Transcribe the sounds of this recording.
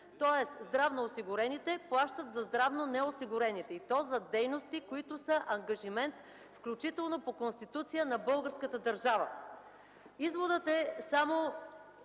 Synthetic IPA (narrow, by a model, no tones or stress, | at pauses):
t̪ɔɛszd̪ɾavnoːsiɡʊɾɛnit̪ɛplˠaʃt̪ət̪zɐzd̪ɾavnonɛosiɡʊɾɛnit̪ɛit̪ɔzɐd̪ɛjnost̪ikoit̪ʊsəʔɐŋɡɐʒimɛnt̪ | fklʲut͡ʃit̪ɛlˠnopokonst̪it̪ut̪sijənɐbɤlˠɡəɾskət̪əd̪ɐɾʒavə̰ | izvod̪ət̪ɛsamo